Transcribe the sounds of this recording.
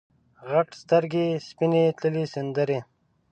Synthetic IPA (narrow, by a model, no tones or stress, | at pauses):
ɣaʈst̪əɾɡespinet̪ləlisɪnd̪əɾe